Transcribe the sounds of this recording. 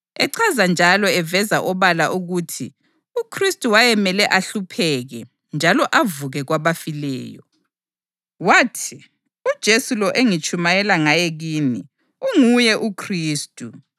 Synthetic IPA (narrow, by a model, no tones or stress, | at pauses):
ɛǀʰazand͡ʒʱalɔɛvɛzaʔɔβalaʔuɣutʰi | ukʰristʼuwajɛmɛlɛʔaɬupʰɛɣɛ | nd͡ʒʱalɔʔavuɣɛɣwaβafilɛ̰ːjɔ̰ | watʰi | ud̥ʒ̥ʱesulɔʔeŋit͡ʃʼumajɛlaŋajɛɣiːni | uŋujɛʔukʰriːstʼu